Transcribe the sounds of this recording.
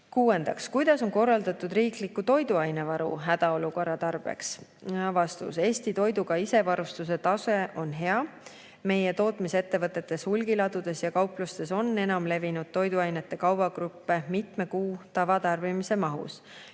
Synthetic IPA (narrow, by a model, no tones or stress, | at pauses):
kuːe̞nd̪̥ɑkskujd̪̥ɑso̞nko̞rːɑld̪ɑt̪ud̪riːklikːut̪o̞jd̪uɑjne̞vɑɾṵɦæd̪̥ɑo̞luko̞rːɑt̪ɑrb̥e̞̰ks | ɑvɑst̪ṵse̞ːst̪it̪o̞jd̪uɡ̥ɑise̞vɑɾust̪us̬e̞t̪ɑse̞ʔo̞nɦe̞ɑ | me̞jet̪o̞ːt̪mise̞t̪ːe̞vɤt̪ˑːe̞t̪ːˑe̞shulɡilɑd̪ud̪̥e̞sjɑkɑwplust̪e̞so̞nːe̞nɑmle̞vinud̪̥̚t̪o̞jd̪uɑjne̞t̪ːe̞kɑwbɑɡ̥ɾupːe̞mit̪me̞kuːt̪ɑvɑt̪ɑrb̥imise̞mɑɦṵs